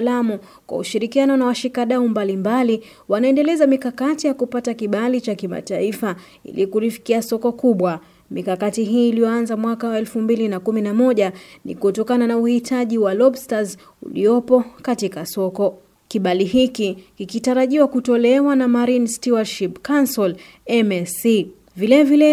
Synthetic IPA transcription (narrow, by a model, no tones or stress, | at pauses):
lamu | kwa̰uʃiɾikianɔnawaʃikaɗaumbalimbali | wanaɛndɛlɛzamikakatijakupatakiɓalit͡ʃakima̰taifa | ḭlikuɾifi̥kiasɔkɔkuɓwa | mikakatiɦiːlijɔanzamwakawaɛlfumbilinakuminamɔʄanḭkutɔkananauhitʰaʄiwalɔbstaz | ṵlḭɔpɔkatikasɔkɔ | kiɓaliɦikikikitaɾaʄiwakutɔlɛwanamaɾinstiwaʃipkansɔl | ɛmɛsi | vilɛvilɛ